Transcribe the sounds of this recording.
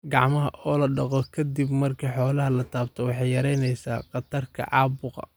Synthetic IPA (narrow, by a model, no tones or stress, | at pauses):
ɡɑʕmɐɦɐʔɔːlɐɖɑqɔkʰɐd̪ibmɐrkʰiħɔːlɐɦɐlɐt̪ʰaːbt̪ʰɔwɑħɑjɐɾɛjnɛjsaːqɑt̪ʰɐrkʰɐ̰ʔɑːbʊqɑ̰